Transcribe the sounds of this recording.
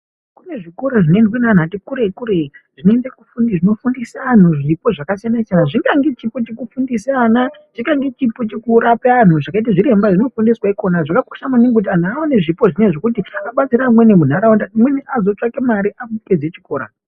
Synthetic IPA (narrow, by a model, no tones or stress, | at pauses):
kune̞ʐiko̞ɾoʐinendwenan̤atikuɾekuɾe̞ʐ̥inoendekufuniʐino̞fundisaːn̤uʐipo̞ʐakasijanaisanaʐiŋɡaŋɡe̞t͡ʃipot͡ʃekufundisianat͡ʃiŋɡaŋɡe̞t͡ʃipot͡ʃekuɾapean̤uʐakaitaʐiɾe̞mbaʐino̞fundiswaiko̞naʐakaku̥ʃamaneŋɡkut̬ian̤uaoneʐipo̞ʐineʐe̞kutiaɓat͡siɾamwenemun̤aɾaondaimweniʔazo̞t͡ʂakemaɾiʔafud͡ziked͡zet͡ʃiko̞ːɾa̰